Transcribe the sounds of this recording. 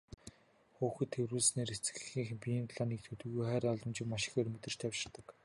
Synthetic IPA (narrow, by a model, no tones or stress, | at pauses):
xuːxɵ̆t̪ʰːewɾuːɮsneːɾet͡sɘ̥̆ɮɘ̆xiːŋxpʲijɘ̆nt̪ɮaniːk̚t̪ʰɵt̪ɵ̆ɣujχæːɾʲɔɮɞ̆mt͡ɕɪ̆kmaʃɪ̆xermɵt̪ɘ̆r̥t͡ɕt̪ʰawt͡ɕɪ̆rt̪ə̆k